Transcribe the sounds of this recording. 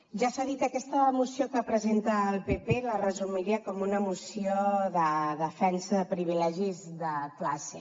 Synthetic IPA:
ʒasaðit̪əkɛst̪əmusiokəpɾəzent̪əːlˠpepelərəzumiɾiəkɔmunəmusioðəðəfɛnsəðəpɾiβ̞ilɛʒizðəklase

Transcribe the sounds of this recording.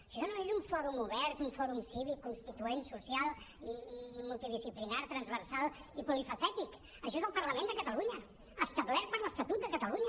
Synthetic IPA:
ʃɔnoezuɱfɔɾumuβɛɾt̪uɱfɔɾumsiβikːunst̪it̪uensusjalˠ | iːmulˠt̪iðisiplinaɾt̪ɾənzβəɾsalˠipulifəsɛt̪ik | əʃɔezəlˠpəɾləmẽnd̪əkət̪əluɲə | əst̪əβlɛɾt̪̚pəɾləst̪ət̪ut̪̚d̪əkət̪əluɲə

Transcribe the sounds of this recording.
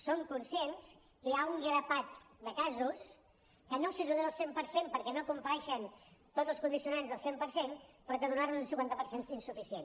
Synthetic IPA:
soŋkunsiens | kəjauŋɡɾəpat̪d̪əkazus | kənosizuðeəlˠsempəɾsempəɾkɛnokumpəɾɛʃənt̪od̪tzəlˠskund̪isiunanzðəlˠsempəɾsenpɾɔk̪əðunarnuzlˠsiŋkwant̪əpəɾsensinsufisien

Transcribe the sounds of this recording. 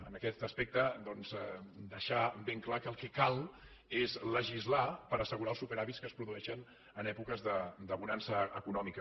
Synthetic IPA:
ə̰nəkɛt̪əspɛk̚t̪əd̪ɔnzɛd̪əʃabeŋklakəlˠkɛkalˠ | ezləʒizlapəɾəsəɣuɾaəlˠsupeɾaβitskəspɾuðuɛʃən | ənɛpukəzðəd̪əβunansəəkunɔmikə

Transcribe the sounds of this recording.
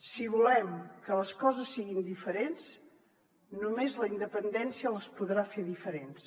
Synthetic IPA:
siβulɛmkələskɔzəsːiɣind̪ifəɾens | numezləind̪əpənd̪ɛnsiələspuðɾafeðifəɾens

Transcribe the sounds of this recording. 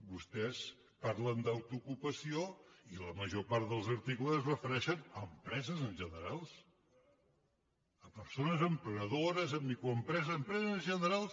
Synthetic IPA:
bust̪ɛs | paɾlənd̪əwt̪ukupəsioiləməʒopaɾt̪ðəlˠzəɾt̪ikləzzrəfəɾɛʃənəmpɾɛzəzənʒənəɾalˠs | əpəɾsonəzəmpɾəəðoɾəzəmbikɾuəmpɾɛzəmpɾɛzzznʒənəɾalˠs

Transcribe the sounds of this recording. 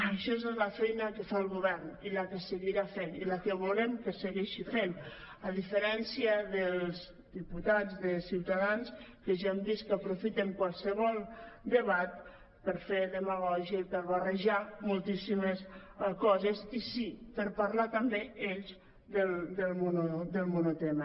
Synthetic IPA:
əʃɔezezləfɛjnəkəfalˠɣuβɛɾniləkəsəɣiɾafeniləkəβulemkəsəɣɛʃifen | əðifəɾɛnsiəðəlˠz | d̪iput̪ad͡zðəsiwt̪aðanskəʒaəmd̪iskəapɾufit̪eŋkwalˠsəβɔlˠd̪əβat̪̚ | pəɾfeðəməɣɔʒiəipəɾβarəʒamulˠt̪isimeskɔzesisipəɾpaɾlat̪ambeeʎz | d̪əld̪əlˠmunod̪əlˠmunot̪ɛmə

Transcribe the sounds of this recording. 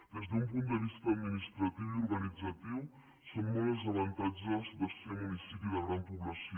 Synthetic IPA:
d̪ezd̪umpunt̪d̪əvist̪ad̪minist̪ɾat̪iwiurɡanid͡zat̪iw | sommɔlzavant̪ad͡ʒazd̪assemunisipjuðɐɣɾanpupylasi

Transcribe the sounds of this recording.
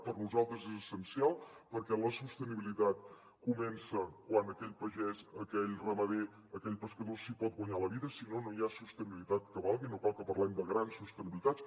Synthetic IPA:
pərnuzalˠt̪ɾəzezəsənsialˠpəɾkɛləsust̪əniβilit̪at̪ | kumɛnsəkwanəkɛʎpəʒɛzəkɛʎrəməðe | əkɛʎpəskəðosipɔt̪̚ɡwəɲaləβiðəsinonojasust̪əniβilit̪at̪kəβalˠɣinokalˠkəpəɾlɛmd̪əɣɾansust̪əniβilit̪at͡ss

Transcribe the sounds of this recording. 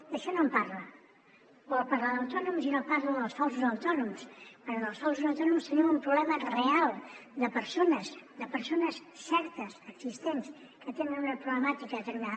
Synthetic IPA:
əʃɔnompaɾlə | bɔlˠpaɾləðəwt̪ɔnumsinopaɾləðəlˠsfɔlˠsuzəwt̪ɔnumspəɾɔðəlˠsfɔls̬uzəwt̪ɔnumst̪əniumpɾuβlɛmərealˠd̪əpəɾsonəsd̪əpəɾsonəssɛɾt̪əsəɡz̥ist̪ens | kət̪enənunəpɾuβləmat̪ikət̪ənd̪a

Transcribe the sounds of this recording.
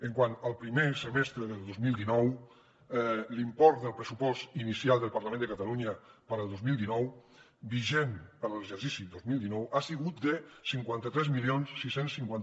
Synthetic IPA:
əŋkwanəlˠpɾimesəmɛst̪ɾəðəlˠdozmilˠd̪inɔw | limpɔɾt̪d̪əlˠpɾəsupɔst̪inisialˠd̪əlˠpəɾləmẽnd̪əkət̪əluɲəpəɾəlˠd̪ozmilˠd̪inɔw | biʒempəɾləʒəɾsisiðozmilˠd̪inɔwasiɣut̪̚d̪əsiŋkwant̪ət̪ɾɛzmilionsːisensːiŋkwan

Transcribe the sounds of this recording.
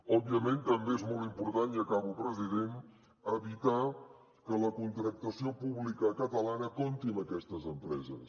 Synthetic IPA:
ɔbiəment̪əmbeezmɔlˠt̪impuɾt̪aniəkaβupɾəziðen | əβit̪a | kələkunt̪ɾək̚t̪əsiopuβlikəkət̪əlanəkont̪inəkɛst̪əzəmpɾɛzə̰s

